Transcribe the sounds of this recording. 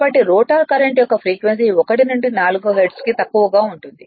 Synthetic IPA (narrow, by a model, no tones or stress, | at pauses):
bɐʈːiɾoːʈaːɾkɐɾɐɳʈjɔkːɐpʰɾiːkʋensiɔkɐʈinuɳɖinaːluɡuɦeɾɖskit̪ɐkːuʋɐɡaːuɳʈund̪i